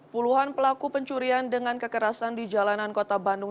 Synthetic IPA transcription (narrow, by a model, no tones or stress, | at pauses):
puluɦanpəlakupəɲt͡ʃuɾiandəŋankəkəɾasandid͡ʒalanankot̪abandʊŋ